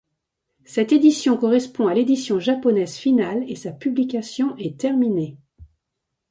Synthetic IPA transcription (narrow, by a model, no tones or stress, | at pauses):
sɛt̪ed̪isjɔ̃kɔʁɛspɔ̃aled̪isjɔ̃ʒapɔnɛzfinalesapyblikʲasjɔ̃ʔɛt̪ɛʁmine